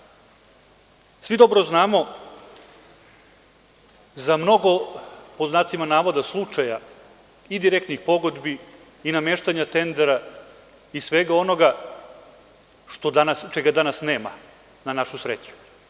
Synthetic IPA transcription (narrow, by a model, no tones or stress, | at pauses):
sʋid̪o̞bɾoznaːmo̞ | zamno̞ɡo̞poznaːt̪simanaːʋod̪aslˠut͡ʂaja | id̪iɾekt̪nixpo̞ɡo̞d̪bi | inameːʃt̪aɲat̪e̞nd̪eɾa | isʋeɡao̞no̞ɡa | ʃt̪od̪anast͡ʃeɡad̪anasneːma̰ | nanaʃusɾet͡ɕu̥